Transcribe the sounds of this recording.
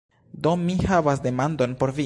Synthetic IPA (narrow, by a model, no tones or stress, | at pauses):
d̪o̞mihavas̬de̞mand̪o̞npo̞ɾvi